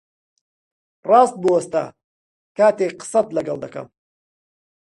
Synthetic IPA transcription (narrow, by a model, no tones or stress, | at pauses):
rɑːst̪̚buwɐst̪a̰ | kaːt̪eːqɨ̥sɐt̪lɐɡɐld̪ɐkʰɐ̰m